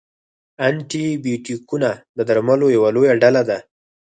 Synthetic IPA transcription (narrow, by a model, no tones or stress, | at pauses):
aɳʈibjuʈikunad̪əd̪aɾmalojawalojaɖalad̪a